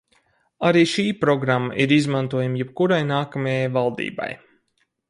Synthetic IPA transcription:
aɾiːʃiːpɾɔɡɾamːaʔiɾizmant̪uɔjamjɛp̚kuɾajnaːkamajajvalˠd̪ḭːba̰j

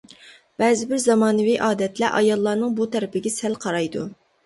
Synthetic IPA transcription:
b̥ɛːzɪbɪɾzɑmɑːnɨvijʔɑːd̪ɛt̪lɛʔɑjɑlˠːɑːnɨŋbut̪ʰɛɾɪpɪɡʲɛsɛlqʰɑɾɑjd̪ṵ

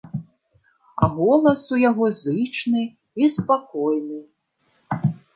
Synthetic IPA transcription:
ɐ̰ɣɔlˠɐsujaɣɔzɨt͡ʂnɨ | ispakɔjnɨ

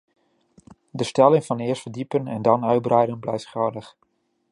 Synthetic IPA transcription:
dəstɛlɪŋvɑnɪəstfəɹdipənɛndɑnœɥt̚brɛjdənblɛjftχɔdəχ

